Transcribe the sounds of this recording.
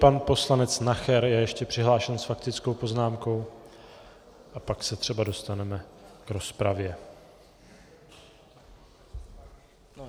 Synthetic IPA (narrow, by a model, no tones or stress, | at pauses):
panpo̞slanɛt͡snaxɛɾjɛjɛʃcɛpr̝̥ɪɦlaːʃɛnsfakt̪ɪt͡skowpo̞znaːmko̞w | ʔapaksɛt̪r̝̥ɛbado̞st̪anɛmɛkɾo̞spɾavjɛ